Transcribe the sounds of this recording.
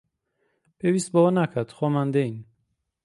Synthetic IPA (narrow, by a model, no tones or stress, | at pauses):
b̥evist̪̚bɔɔnakʰad̪χɔmand̪ein